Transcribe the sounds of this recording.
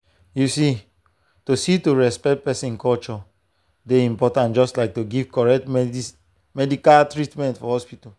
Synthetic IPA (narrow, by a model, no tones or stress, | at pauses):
jusi | tosituɹɛspɛk̚t̚pɛsĩnkɔlt͡ʃɔ | deĩmpɔtãnd͡ʒɔstlaɪk̚toɡivkɔɹɛk̚tm | mɛdikaltɹitmɛ̃ntfɔhɔspita